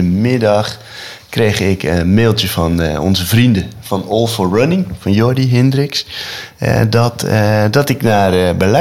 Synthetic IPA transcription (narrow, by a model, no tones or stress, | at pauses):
əmɪdɑx | kreːxɪkʰəmeːlˠtjəfɔnɔ̰nzəvrindəfɔnɔlˠfɔrənɪŋfɔnjodiɦɪndrɪks | dtdɔtɪknarbəlɛ